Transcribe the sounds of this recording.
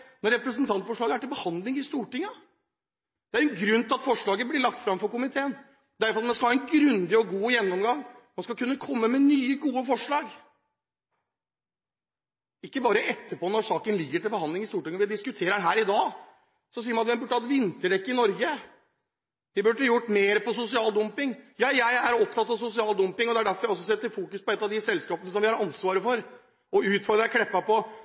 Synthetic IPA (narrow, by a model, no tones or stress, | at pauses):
nɔɾɛpɾəsənt̪ʰɑnt̪fɔʂɭɑːɡæʈɪlbəhɑnd̪lɪŋɪst̪uːʈɪŋːɑ | d̪̥ɛæɾɛnɡɾʉnt̪ʰɪlɑt̪fɔʂɭɑːɡəblɪɭɑkt̪fɾɑmfɔɾkʊmɪt̪ʰeːən | d̪æɾfɔɾɑt̪mɛnskɑlhɑːɛnɡɾʉnd̪ɪɔɡuːjɛnːɔmɡɑŋːmɑnskɑlkʰʉnːəkʰɔmːəmɛnyːəɡuːəfɔʂɭɑːɡ | ɪkːəbɑːɾəʔɛt̪ːəpɔːnɔɾʂɑːkənlɪɡːəʈɪlbəhɑnd̪lɪŋɪst̪uːʈɪŋnɔʋɪd̪ɪskʉt̪ʰeːɾəɳɦæːɾɪd̪ɑː | sɔs̬iːəɾmɑnɑt̪ʋɛmbʉʈːəhɑt̪ʋɪnt̪əɖɛkːəɪnɔɾɡə | ʋɪbʉʈːəjʊʈːmeːɾpɔsʊsɪɑːld̪ʊmpɪŋjɑːjæɪæɾɔpt̪ʰɑt̪ːɑʋsʊsɪɑːld̪ʉmpɪŋɔd̪ɛæɖæɾfɔɾɔsːɔs̬ɛt̪ːəɾfuːkʉspɔɛt̪ːɑʋd̪ɪsɛlskɑːpənəs̬ɔmʋɪhɑɾɑnsʋɑːɾəfɔɾ | ɔʉːt̪fɔɾd̪ɾəkʰɽɛpːɑpɔ